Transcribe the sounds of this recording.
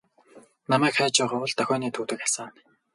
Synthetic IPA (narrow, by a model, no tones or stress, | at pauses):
namæːkχæːt͡ɕæːʁɔːʊɮt̪œxʲɔːniːt̪ʰuːt̪ɘ̆kḁsaːn